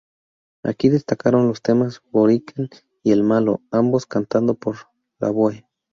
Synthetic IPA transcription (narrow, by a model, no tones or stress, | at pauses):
a̰kiðest̪akaɾonlost̪emasboɾikʰan | ielmaloamboskant̪and̪opoɾ | la̰βwoe